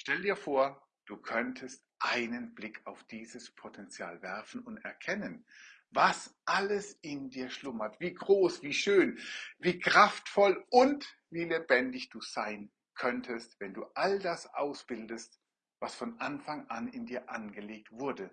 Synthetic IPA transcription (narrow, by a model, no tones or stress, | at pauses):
ʃtɛldiːɐfoːɐ | d̥uːkʰœntʰəstʔaɪnənblɪkʰaʊfd̥iːzəspʰotʰɛnt͡sja̰ːlvɛɐfn̩ʊntɛɐkʰɛnən | vasʔaləsɪndiːɐʃlʊmɐtv̥iːɡʁoːsv̥iːʃøːnviːkʁ̥aftfɔlʊntviːlebɛndɪçd̥uːz̥aɪn | kʰœntʰəstv̥ɛnduːʔaldasʔa̰ʊsb̥ɪldəst | vasfɔnʔanfaŋʔanɪndiːɐʔanɡəleːk̚tv̥ʊɐdə